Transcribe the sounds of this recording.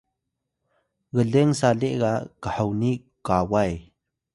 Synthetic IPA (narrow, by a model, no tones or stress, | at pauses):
ɣəɮeŋsaleʔɣaʔkəħawni | kawaj